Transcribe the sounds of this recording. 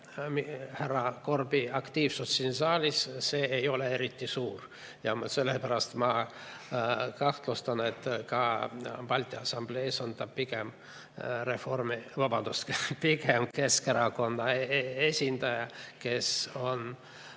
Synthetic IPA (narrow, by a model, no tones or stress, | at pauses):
miheɾɑko̞rbiɑkt̪iːvsust̪siːnsɑːlʲisse̞ːejo̞lee̞ɾit̪ːˑisuːr | jɑmse̞lːepæɾɑst̪mɑ | kɑht̪lust̪ɑne̞t̪ːkɑbɑlʲt̪ʲˑiɑsɑmble̞sont̪ɑpikem | refo̞rmivɑbɑnd̪̥uspike̞mke̞ske̞ɾɑko̞nːɑe̞sʲind̪̥ɑjɑke̞so̞n